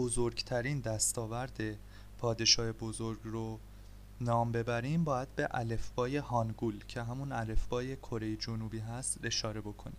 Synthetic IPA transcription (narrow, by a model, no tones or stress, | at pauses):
bozoɾɡt̪ʰæɾiːnd̪æst̪ɒːvæɾd̪e̞ | pʰɒːd̪e̞ʃɒːhebozoɾɡro | nɒːmbe̞bæɾimbɒːjæd̪̥̚be̞ʔæle̞fbɒːje̞ɦɒːnɡuːlcʰe̞ɦæmunæle̞fvɒːje̞kʰo̞ɾe̞jed͡ʒonuːbiːɦæst̪e̞ʃɒːɾe̞bo̞kʰo̞niːm